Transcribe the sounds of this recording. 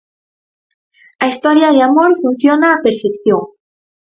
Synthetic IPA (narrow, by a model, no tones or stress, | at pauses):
aist̪oɾjaðeamoɾfunθjonaːpeɾfekθjoŋ